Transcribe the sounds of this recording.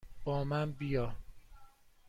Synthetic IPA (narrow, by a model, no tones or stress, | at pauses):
b̥ɒːmænbijɒː